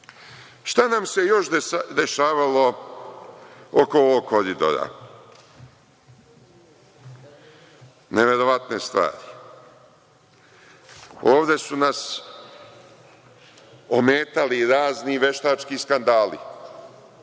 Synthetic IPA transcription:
ʃt̪anamse̞jo̞ʃd̪d̪e̞ʃaːʋalo̞ | oko̞oʋoɡkʰːo̞ɾid̪o̞̰ɾa̰ | neʋe̞ɾo̞ʋat̪ne̞st̪ʋa̰ːɾi | o̞ːʋd̪e̞sunas | omeːt̪aliɾaːzniʋe̞ʃt̪aːt͡ʃkiskand̪aːlḭ

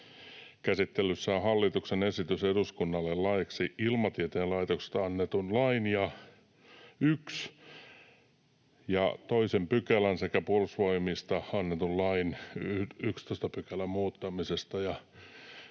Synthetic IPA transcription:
kæsit̪ːelːˑysːæohɑlːit̪uksenesit̪yseduskunːɑlːellɑeksiilmɑt̪iet̪eːlɑit̪okse̥st̪ɑɑnːet̪unlɑinjɑ | yks | jɑt̪oisempykælænsekæpuuolsʋoimist̪ɑɑnːet̪ullɑinyykst̪ost̪ɑpykælæmmuːt̪ːɑmisest̪ɑjɑ

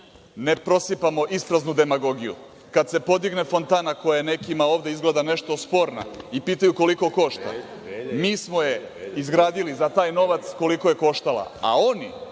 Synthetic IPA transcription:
ne̞pɾo̞sipamo̞ʔispɾaznud̪e̞maɡo̞ɡijṵ | kad̪se̞po̞d̪iɡne̞fo̞nt̪aːnako̞jajene̞kimao̞ːʋd̪e̞izɡled̪ane̞ʃt̪o̞spo̞ːɾna̰ipiːt̪ajuko̞liko̞ko̞ʃt̪a̰ | miːsmo̞je̞izɡɾaːd̪ilizat̪aːjno̞ʋat̪sko̞liko̞je̞ko̞ʃt̪alˠa̰a̰o̞ni

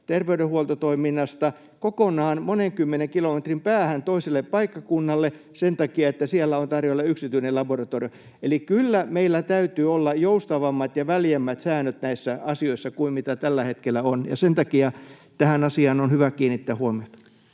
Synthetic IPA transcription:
t̪erʋeydehuolt̪ot̪oiminːɑst̪ɑ | kokonɑːnmoneŋkymːeneŋkilomet̪rimpæːhænt̪oiselːeppɑikːɑkunːɑlːe | sent̪ɑkiɑet̪ːæsielːæont̪ɑrjolːɑyksit̪yinelɑborɑt̪orijo | elikylːæmeilːæt̪æyt̪yːolːɑjoust̪ɑʋɑmːɑt̪jɑʋæljæmːæt̪sæːnøt̪næisːæɑsioisːɑkuimmit̪æt̪ælːæhet̪kelːˑæonjɑ̰sent̪ɑkiɑ | t̪æhænɑsiɑnonhyʋækiːnit̪ːæːhuomiot̪ɑ̥

